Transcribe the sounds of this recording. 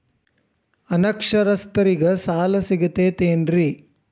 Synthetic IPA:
ɐnɐkʂɐɾɐst̪ɐɾiɡɐsaːlɐsiɡɐt̪eːt̪eːndɾi

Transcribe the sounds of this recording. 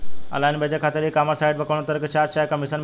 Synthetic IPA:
ə̰lajnbed͡ʑakʰat̪əɾɦikaməɾsajɖ̚bəkəʋɳət̪əɾkət͡ɕaɾt͡ɕajkəmisənm

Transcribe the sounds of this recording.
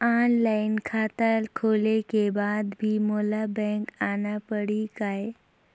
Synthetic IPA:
anlainkʰat̪alkʰolekebad̪bʱiːmolabɛ̃ŋkanapəɽikaj

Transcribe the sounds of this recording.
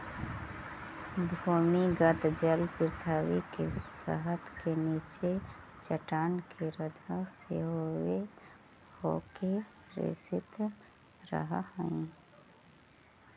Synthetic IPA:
bʱumiɡət̪d͡ʒəlpɪɾt̪ʰaːwikeə̰ɦət̪keniːt͡ʃe | t͡ʃəʈaːnkʰeɾəd̪ʱəseɦowe | hoke | ɾḛsɪt̪ | ɾə̰ɦəhəĩ

